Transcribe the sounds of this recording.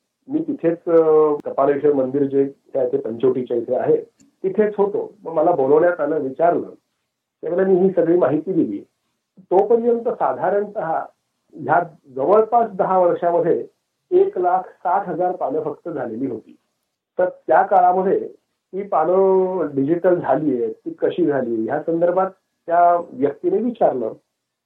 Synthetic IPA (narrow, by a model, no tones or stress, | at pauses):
miːt̪it̪ʰet͡skəpalʋiʂəɾmənd̪iɾd͡ʑet̪jat̪epəɲt͡ɕoʈit͡ɕaisʰea̰ɦe | t̪ːit̪ʰet͡sɦot̪o̰məɡməlaboləʋɳjat̪aləʋit͡ɕaɾlə̰ː | t̪jamelamiːɦiːsəɡɭiːmaɦit̪iːd̪ilḭː | t̪opəɾjənt̪əsad̪ʱaɾəɳt̪əɦa̰ | ɦja | d͡zəʋəɭpasd̪əɦaʋəɽʂaməd̪ʱje | eklakʰsat̪ɦəd͡zaɾpaɽəfəkt̪əd͡zʱaleliːɦot̪ḭː | t̪əɾt̪jakaɭaməd̪ʱje | t̪iːpanəɖid͡ʑiʈəld͡zʱalijet̪iːkəɕiːd͡zʱaliːejasənd̪əɾbʱat̪ː | jaʋjək̚t̪ineiʋit͡ɕaɾlə̰ː